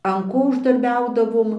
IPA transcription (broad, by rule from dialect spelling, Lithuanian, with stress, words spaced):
ɐn ˈkoː ʊʒdɐrʲˈbʲɛʊdɐʋoːm